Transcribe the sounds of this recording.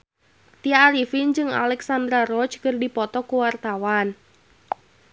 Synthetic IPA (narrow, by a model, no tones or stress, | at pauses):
t̪iaːɾifind͡ʒɨŋa̰lɛksand̪ɾarɔt͡ʃkərdipɔt̪ɔkuwart̪awan